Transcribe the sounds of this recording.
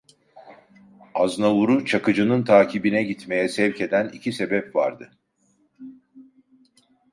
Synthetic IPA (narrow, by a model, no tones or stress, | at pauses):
aznavuɾut͡ʃʰakɯd͡ʒɯnɯnt̪ʰaːcʰibinɛɟit̪me̞jɛsɛvce̞d̪ænicʰise̞bɛpva̰ɾd̪ɯ